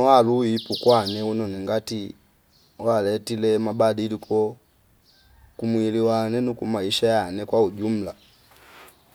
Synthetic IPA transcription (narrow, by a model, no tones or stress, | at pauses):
waluipukwanɛunɔniŋɡati | walɛtilɛmabadilikʰɔ | kumwiliwanɛnukumaiʃajanɛkwauɟum̩la